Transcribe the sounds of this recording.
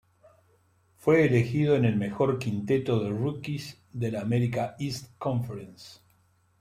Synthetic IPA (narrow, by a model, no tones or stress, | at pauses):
fweːle̞xiðo̞ene̞lme̞xo̞ɾkint̪et̪oðerukis | ðelaːmeɾikaist̪kõɱfeɾens